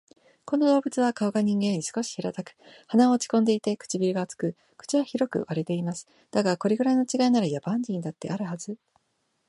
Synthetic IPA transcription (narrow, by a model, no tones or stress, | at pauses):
ko̞no̞d̪o̞ːbɯ̟t͡sɨβakaoɡaɲ̟ĩŋɡẽ̞ɲ̟ːisɨ̥ko̞ɕi̥çiɾat̪akɯ̟̥hanaoːt͡ɕi̥kõ̞nd̪e̞it̪e̞kɯ̟̥t͡ɕibʲiɾɯɡat͡sɨ̥kɯ̟ | kɯ̥t͡ɕiβaçiɾo̞kɯ̟̰βaɾe̞t̪e̞imasɨ̥ | d̪̥aɡako̞ɾe̞ɡɯ̟ɾaino̞t͡ɕiɡainaɾajabãɲ̟d͡ʑĩnd̪at̪ːe̞̰aɾɯ̟hazɨ